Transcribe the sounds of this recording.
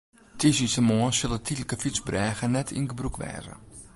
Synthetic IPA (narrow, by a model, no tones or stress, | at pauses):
tʰisisəmoəsɪlˠətʰitləkəfit͡sbrɛːɣənɛtʰḭnɡəbrukʋɛ̰ːzə̰